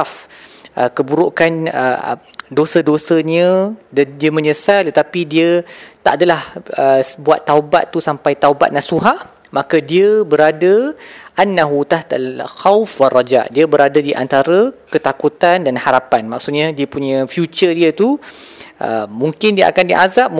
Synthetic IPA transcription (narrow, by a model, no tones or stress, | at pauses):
afʔəkəbuɾuʔkanə̰dosədosəɲə̃ddiəmə̃ɲəsalt̪ət̪apidiət̪a̰ʔadalahəbuat̪ːawba̰t̪ːusampajt̪awba̰t̪̚nasuɦaʔ | mãkadiəbəɾadəʔanːaɦut̪aht̪alxawfwarːad͡ʒa̰ʔdiəbəɾadadiʔa̰nt̪aɾəkət̪akut̪andanhaɾapanmaksut̪̚ɲadiəpuɲə̃fjut͡ʃədiət̪u | ʔə̰muŋkɪndiəʔa̰kandiʔazap̚